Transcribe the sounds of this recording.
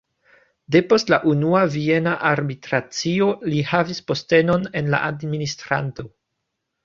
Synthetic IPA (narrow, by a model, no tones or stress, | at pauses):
de̞po̞stlaʔunuavie̞naʔaɾbitɾat͡sio̞lihavispo̞ste̞no̞ne̞nla̰ʔadministɾa̰nto̞